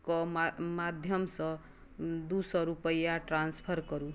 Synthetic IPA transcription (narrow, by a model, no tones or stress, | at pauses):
kʌmad̪ʱjʌmsʌ̃ | d̪usʌɾupʌjaʈranspʰʌrkʌɾu